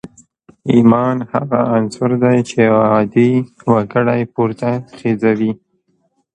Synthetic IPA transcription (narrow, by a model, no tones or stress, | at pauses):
imɑnha̰ɣaʔansʊɾd̪ajt͡ʃeɑd̪iwaɡəɽajpuɾt̪axezawi